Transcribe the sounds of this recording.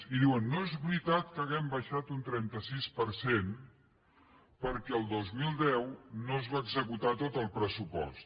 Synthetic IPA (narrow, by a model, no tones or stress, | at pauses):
iðiwənːoezβɾit̪at̪kəɣɛmbəʃat̪unt̪ɾɛnt̪əsispəɾsen | pəɾkɛəlˠd̪ozmilˠd̪ɛwnoəzβaːɡzəkut̪at̪ot̪əlˠpɾəsupɔ̰st̪